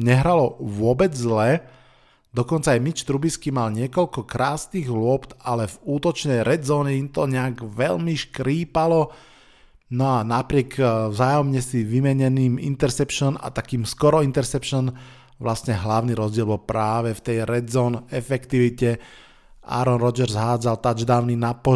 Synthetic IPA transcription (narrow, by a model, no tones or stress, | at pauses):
ɲɛɦɾalɔʋʊɔbɛd͡zzlɛ | d̪ɔkɔnt͡saːjmit͡ʃt̪ɾubiskimalɲɪɛkɔʎkɔkɾaːsniːɣɦlʊɔpt̪alɛvuːt̪ɔt͡ʃnɛjɾɛd͡zɔːɲɛimt̪ɔɲɛaɡʋɛʎmiʃkɾiːpalɔ | nɔanapɾɪɛkvzaːjɔmɲɛsiʋimɛɲɛniːmḭnt̪ɛɾsɛpʃɔna̰t̪akiːmskɔɾɔint̪ɛɾsɛpʃɔn | ʋlasɲɛɦlaʊniɾɔzɟɪɛlbɔlpɾaːʋɛft̪ɛjɾɛd͡zɔːnɛfɛkt̪iʋicɛ | ʔa̰ɾɔnɾɔd͡ʒɛɾzɦaːd͡zalt̪ad͡ʒd̪aːʊninapɔ